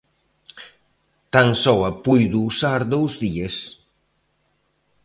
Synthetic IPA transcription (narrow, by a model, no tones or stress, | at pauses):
t̪aŋsɔwɐpujðuːsaɾðowzðies